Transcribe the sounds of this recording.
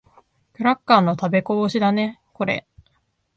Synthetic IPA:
kɯ̟ɾakːaːnːo̞t̪abe̞koɕid̪ane̞ko̞ɾe̞̰

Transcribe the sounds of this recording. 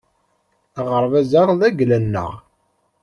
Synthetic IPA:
ʁəɾˤvæzaʁðæɡlænːə̰ʁ

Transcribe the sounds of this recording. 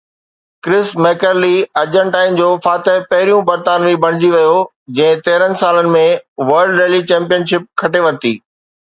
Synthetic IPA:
kɾɪsmɛːkəɾliɐɾd͡ʑə̃ɳʈaːɪn̆d͡ʑoːfaːt̪əɦpɐɦɪɾijũbɐɾt̪aːnʋibʱɐɽ̃ɪd͡ʑiʋijo | d͡ʑɐ̃ɦɪ̃t̪eːɾənɪ̆saːlənɪ̆mẽʋɐɾɖɾeːlit͡ɕɛ̃ːmpijənʃɪp̚kʰɐʈeʋɐɾt̪ḭː

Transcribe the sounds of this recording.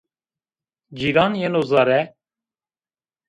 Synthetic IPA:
d͡ʒiːɾaːnjenoːzɑːɾɛ

